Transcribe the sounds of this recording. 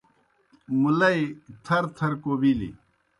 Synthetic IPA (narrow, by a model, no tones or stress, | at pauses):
mulɐit̪ʰɐɾt̪ʰɐɾkobilḭ